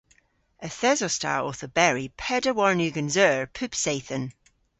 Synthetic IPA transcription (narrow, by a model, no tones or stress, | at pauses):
əθɛzɔsta̰ɔθəbɛɹipʰɛdəwɔɹnjʉːɡənzɜːɹpʰʉpseɪθən